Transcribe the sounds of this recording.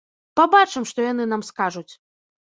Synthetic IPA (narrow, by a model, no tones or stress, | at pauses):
pabat͡ʂɨmʂt̪ɔjan̪ɨnamskaʐut͡sʲ